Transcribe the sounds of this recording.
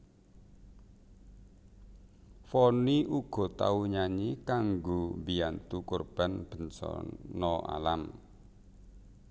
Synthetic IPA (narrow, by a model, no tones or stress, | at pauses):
fɔniʔuɡ̥ɔ̤t̪a̰uɲaɲikaŋɡobiant̪ukorb̥a̤nb̥ə̤nsɔ̰nɔa̰lam